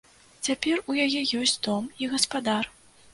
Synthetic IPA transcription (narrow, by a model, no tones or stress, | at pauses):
t͡sʲapʲɛrujajɛjɔsʲt͡sʲd̪ɔmiɣɐspad̪ar